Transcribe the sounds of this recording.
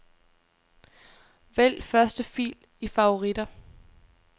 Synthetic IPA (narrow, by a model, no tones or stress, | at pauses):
ʋel̰fɶɐsd̥əfḭːl | ifɑ̈o̝ʁid̥ɐ